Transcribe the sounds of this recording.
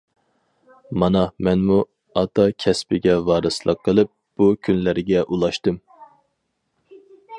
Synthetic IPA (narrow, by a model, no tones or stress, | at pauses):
mɑnɑmɛnmu | ɑt̪ʰɑkʲʰɛspɪɡʲɛvɑːɾɨslˠəqʰːəlˠɨp̚b̥ukʲʰynlæɾɪɡʲɛʔulˠɑʃt̪ɨm